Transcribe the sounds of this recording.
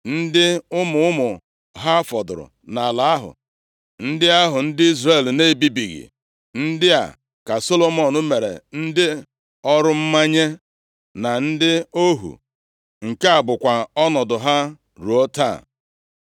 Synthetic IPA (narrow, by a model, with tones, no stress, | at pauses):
n̩˦dɪ˦ʊ˦mʊ˨ʊ˦mʊ˨ | ɦa˦fɔ˨dʊ̰˨ɾʊ̰˨ | na˨la˨a˦ɦʊ̰˨ | n̩˦dɪ˦a˦ɦʊ˨n̩˦dɪ˦i˦zre˦˨lne˦˨bi˦bi˨ɣḭ˨ | n̩˦dɪ˦a̰˨ | ka˨so˦lo˨mɔ˨nʊ˦me˨ɾḛ˨n̩˦dɪ˦ | ɔ˦ɾʊ˦m̩˦ma˦ɲe˦ | na˨n̩˦dɪ˦o˦ɦṵ˨ | ŋ̩˨ke˦a˨bʊ˨kʷa˨ɔ˦nɔ˨dʊ˨ɦa˦ | ɾu˨o˦ta̰˦˨